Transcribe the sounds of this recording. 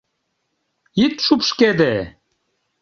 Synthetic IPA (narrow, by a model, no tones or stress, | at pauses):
it̪ʃupʃked̪e